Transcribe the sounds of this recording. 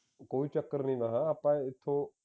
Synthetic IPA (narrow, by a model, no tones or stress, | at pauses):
koːit͡ʃɐkəɾnĩʋɐɦãɐpãːẽɪt̪ʰo